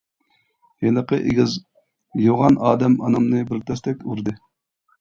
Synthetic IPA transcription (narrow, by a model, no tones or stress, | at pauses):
jenəqəʔḛɡʲiz | joʁɑnɑːd̪ɛmɑnɑmnɨbɪɾt̪ʰɛst̪ɛkʲuɾd̪ɨ